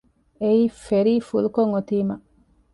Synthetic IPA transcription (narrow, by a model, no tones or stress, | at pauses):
eiːfeɾiːfulukoŋot̪iːmɐ